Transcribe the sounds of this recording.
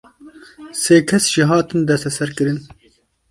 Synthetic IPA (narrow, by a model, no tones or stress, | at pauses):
seːkʰɛsʒ̥iɦɑːt̪ɨnd̪ɛst̪ɛsɛɾkɨɾɨn